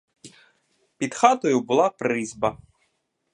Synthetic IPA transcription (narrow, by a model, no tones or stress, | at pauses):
pʲid̪xɑt̪ɔjʊbʊlˠɑpɾɪzbɐ